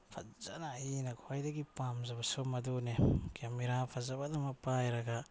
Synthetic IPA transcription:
pʰa̰zanainɐkʰuajdɐɡipamzabasomɐdunekameɾapʰazabadamɐpajɾaɡa

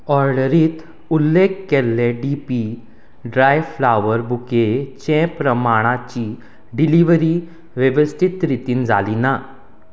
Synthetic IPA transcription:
ɔɾɖəɾiːt̪ | ulːekːelːeɖipi | ɖɾajflaʋəɾbuket͡ɕɛ̃pɾəmaɽ̃at͡ɕi | ɖiliʋəɾi | ʋəʋəst̪ʰit̪ɾit̪iːnd͡za̰lina

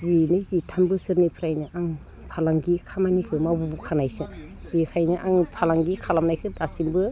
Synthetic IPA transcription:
zinɯjzitʰambɯsɯɾnipʰɾajnɯʔaŋ | pʰalaŋɡikʰamanikʰɯmabubukʰanajsɯ | bikʰajnɯʔaŋpʰalaŋɡikʰalamnajkʰɯdasimbɯ

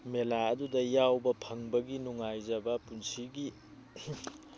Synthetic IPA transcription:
melaɐdudɐjawbɐpʰɐŋbɐɡinuŋajzɐbɐpunsiɡi

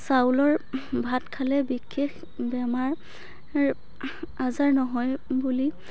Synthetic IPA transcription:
sawlɔɹbʱatkʰalɛbikʰːex | bɛmaɹ | azaɹnɔɦɔjbuli

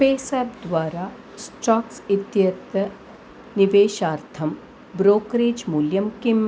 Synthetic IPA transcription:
peːsɛːpd̪ʋaːɾaː | sʈaːksit̪jɐt̪ɐ | niʋeːʃaːɾt̪ʰɐm | bɾoːkɾeːd͡ʒmuːljɐmkim

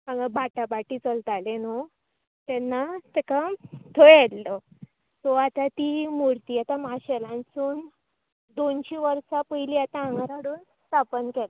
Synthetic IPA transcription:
ãŋɡəbaʈabaʈit͡səlt̪aleno | t̪ɛnːat̪ɛkat̪ʰɔjɛllɔ | sɔat̪at̪imuɾt̪iːat̪amaɕɛlãnsuːn | d̪onɕiʋəɾsapəjliat̪aãŋɡaɾaɽuːnst̪apənkɛla

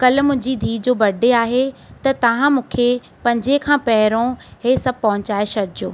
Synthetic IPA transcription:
kɐlmʊ̃ɦɪ̃ɲd͡ʑid̪ʱiːd͡ʑoːbɐɖʱeaːɦet̪ɐt̪ɐʋ̤ãmũːkʰe | pɐ̃ɲd͡ʑekʰãːpɐɦɪɾõɦesɐb̚pɐɦʊ̃ɲt͡ɕaːeʃɐɾd͡ʑoː

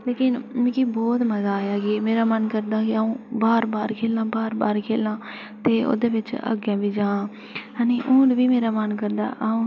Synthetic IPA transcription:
leːkɪnmẽkiːbɔːt̪məzaːjaːɡimeːɾaːmənkəɾd̪aːkɪaːũːbaːɾbaːɾkʰeːlãːbaːɾba̰ːɾkʰeːlãː | t̪eːo̰ːd̪eːʋɪt͡ʃə̰ɡjãːbiːd͡ʒãː | ɦaneːʔũːɖʋiːmeːɾaːmənkəɾd̪a̰ːʔaːũː

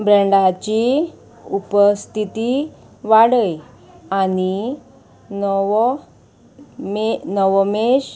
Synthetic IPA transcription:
bɾəɳɖat͡ɕi | upəst̪ʰit̪i | ʋaɽəj | ani | nɔʋ | menɔʋmeɕ

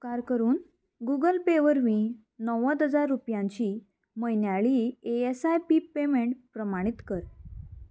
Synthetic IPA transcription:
kaɾkəɾuːn | ɡuɡəlpeʋəɾʋĩː | nəʋət̪əd͡zaɾːupjãɲt͡ɕiː | məjnjaɭiːeesajpiːpemeɳʈpɾəmaɽ̃it̪kəɾ

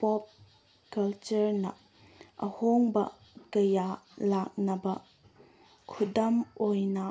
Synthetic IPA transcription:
pɔp̚ | kɐlt͡ʃɐɾnɐ | ʔɐhoŋbɐ̰ | kɐjalak̚nɐbɐ | kʰudɐmojnɐ

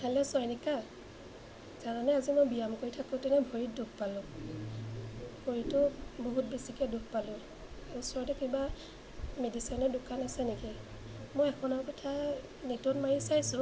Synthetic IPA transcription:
hɛlɛsɔjnika | zaɹanɛazimojbijamkoɹitʰakʊ̃tɛnɛbʱoɹit̚duk̚ʰpalʊ̃ | bʱoɹitʊboɦut̚besikɛduk̚ʰpalʊ̃ | esɔɹtɛkiba | medisɔjnɔdʊkanasɛneki | mojɛkʰɔnaɹkɔtʰa | netɔnmaɹisajsʊ̃

